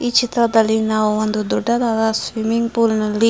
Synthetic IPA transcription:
it͡ʃit̪ɾad̪alinawwand̪ud̪uɖad̪ad̪aswimiŋpulnəli

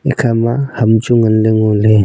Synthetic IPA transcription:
ḭkʰamahamt͡ʃuŋənleŋule

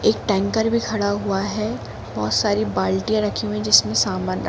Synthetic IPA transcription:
eːk̚ʈɛ̃ːŋkəɾbʱikʰɐɽaɦuaɦɛ | bɔːt̪saːɾibaːlʈijãɾɐkʰijũɦɛ̃d͡ʒɪsmẽsaːmaːnɾ

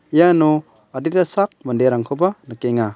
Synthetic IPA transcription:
jano | aditasak̚mɐndeɾaŋkʰɔbanɐkeŋa

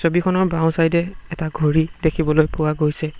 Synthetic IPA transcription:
sobikʰɔnɔɹbãw̃sajdɛɛtaɡʱoɹidekʰibɔlojpʊwaɡojsɛ

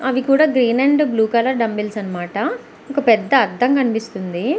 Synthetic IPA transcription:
ɐʋikuːɽaːɡɾiːneɳɖbluːkɐːlɐɖɐmbilsɐnːɐmaːʈɐ | ɔkɐpɛd̪ːɐːɾd̪ʱːɐŋkɐnipist̪und̪i

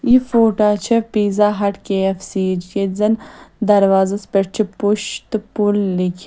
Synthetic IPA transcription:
jifoːʈaːt͡ʃʰɐpiːzaːɦɐʈkeɐfsiːd͡ʒkezɐnd̪ɐɾwaːzɐspeʈ̚t͡ʃʰipuʃt̪pulːikʲʰ

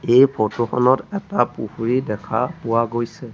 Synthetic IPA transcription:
ejpʰɔtoxɔ̰nɔtɛtapuhuɹidɛkʰa̰pʊwaɡojsɛ

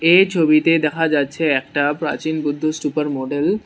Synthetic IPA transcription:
et͡ɕʰobit̪ed̪ɛkʰad͡ʑatːɕʰeɛkʈapɾa̰t͡ɕinbud̪ʱːosupəɾmɔɖel

